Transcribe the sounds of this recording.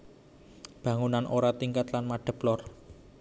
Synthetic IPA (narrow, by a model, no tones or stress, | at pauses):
b̥ä̤ŋunanʔoɾat̪iŋkat̪lanmaɖ̥ə̤plɔr